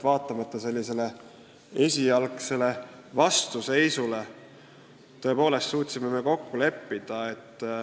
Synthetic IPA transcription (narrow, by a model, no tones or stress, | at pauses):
vɑːt̪ˑːɑmɑt̪ːˑɑse̞lʲːise̞le̞ | e̞sʲijɑlkse̞le̞ | vɑst̪use̞jsule̞ | t̪ːo̞e̞po̞ːle̞st̪suːt̪ʲsime̞me̞ko̞kːule̞pːid̪̥ɑe̞t̪ː